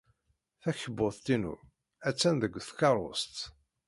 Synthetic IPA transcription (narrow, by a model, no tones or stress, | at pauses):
θæçəbːʊθt̪inṵ | æt͡sːænðəɡʷθkɑɾˤo̰st̪